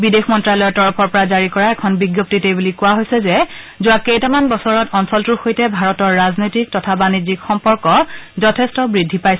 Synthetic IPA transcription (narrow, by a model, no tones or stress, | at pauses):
bidexmɔntɹalɔjɔɹtɔɹɔpʰɔɹpɔɹazaɹikɔɹaɛkʰɔnbiɡjop̚titejbulikʊwaɦojsɛzɛ | zʊwakejtamanbɔsɔɹɔtʰɔnsɔltuɹxojtɛbʱaɹɔtɔɹːaznojtik̚tɔtʰabanizikxɔmpɔɹkɔzɔtʰɛstɔbɹidʱːipajsɛ